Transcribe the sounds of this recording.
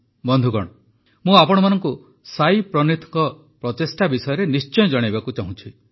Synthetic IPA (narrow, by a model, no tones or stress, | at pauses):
bɔnd̪ʱuɡɔ̰ɽ̃ɔ | mũapɔɽ̃ɔmanɔŋku | sajpɾɔnit̪ʰɔ̥ŋkɔ | pɾɔt̪esʈabisɔjɔɾenist͡ʃɔjɔ̃d͡ʒɔɽ̃ibakut͡ʃaɦũt͡ʃʰi